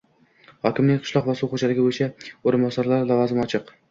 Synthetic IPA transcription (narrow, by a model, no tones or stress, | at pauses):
hɒkʲɪmnɪŋʲqʰɨ̥ʃlˠɒqvasuqʰod͡ʒalɪɡʲabojt͡ʃʰaoɾɪnbɒsaɾlaɾlavɒzɪmɒt͡ʃʰɪq